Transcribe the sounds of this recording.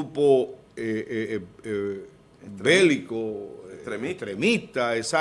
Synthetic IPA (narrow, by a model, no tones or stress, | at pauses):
upo | e | e | ebeliko | t̪ɾemit̪aesa